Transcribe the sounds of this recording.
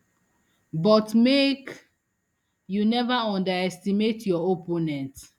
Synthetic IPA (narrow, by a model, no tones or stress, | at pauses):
bɔtmek | junɛvaɔ̃ndaɹɛstimetjɔoponɛ̃nt